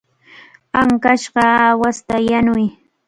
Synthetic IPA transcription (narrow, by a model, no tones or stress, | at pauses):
aŋkaʃɢɑawast̪ajanʊj